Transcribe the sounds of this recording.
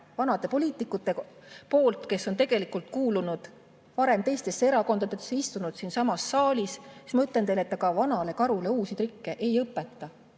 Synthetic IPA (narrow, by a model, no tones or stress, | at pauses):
vɑnɑd̪e̞po̞lʲiːt̪ˑikːˑut̪ːˑe̞po̞ːlt̪ke̞sːo̞nt̪e̞ɡ̥e̞likult̪̚kuːlunud̪̥ | vɑɾe̞mt̪e̞jst̪e̞sːeeɾɑko̞nd̪̥ɑd̪eesːeist̪unud̪̥siːnsɑmɑsːɑːlʲisi̥smɯt̪lent̪e̞jleet̪ˑːɑɡ̥ɑvɑnɑle̞kɑɾule̞uːsit̪rikːe̞ʔe̞jɤpːˑe̞t̪ːɑ